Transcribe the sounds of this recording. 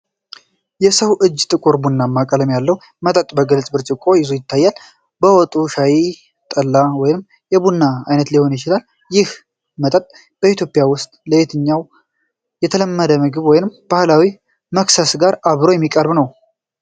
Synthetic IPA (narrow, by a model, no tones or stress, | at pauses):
jɛsəwʔɨd͡ʒːt̪ʼɨkʼuɾbunːamːakʼələmjalːəw | mət̪ʼət̪ʼbəɡəlt͡ʃʼbɨɾt͡ʃʼɪkʼo̞jɪzujɪt̪ːajːal | bəwɔt̪ʼuʃaji | t̪ʼəlːawɔjɪnɨm | jɛbunːaajnət̪liho̞njɪt͡ʃɪlal | jɪh | mət̪ʼət̪ʼ | b̥əit̪ʰjo̞pʼɪjawʊst̪ʼləet̪ʰɨɲːaw | jɛt̪ʰələmːəd̪əmɨɡɨβwɔjɪnɨmb̥ahlawi | məksəsɡaɾaβɾo̞jɛmːikʼəɾbnəw